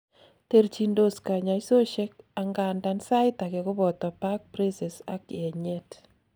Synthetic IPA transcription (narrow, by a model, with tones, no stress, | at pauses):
te˦ɾt͡ʃi˨ndo˨ska˨ɲa˨iso˦ʃe˦k̚a˨ŋɡa˨nda˨nsa˦ɪ˦ta˨kɛ˨kʊ˦bɔ˨tɔ˨pa˦k̚pɾi˦sɛ˨sa̰˦kɛ˨ɲe˦t